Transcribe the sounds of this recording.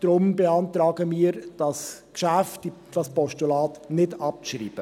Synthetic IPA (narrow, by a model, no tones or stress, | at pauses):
d̪̥ɾʊmbeɑntɾɑːɡəmiːəɾd̥ɑskʃæftid̥ɑspɔʃtulɑːtnɪdɑp̚t͡sʃɾḭːb̥ə